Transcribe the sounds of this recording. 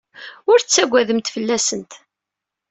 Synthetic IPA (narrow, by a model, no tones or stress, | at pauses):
ʊɾθt͡sːæɡʷæðəmt̪fəlːæsənt̪